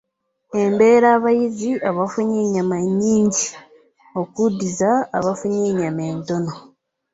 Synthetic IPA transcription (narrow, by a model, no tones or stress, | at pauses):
embe̞ːɾaːβajiziaβafuɲeɲamaɲiːɲɟi | o̞kudizaːβafuɲeːɲameːntono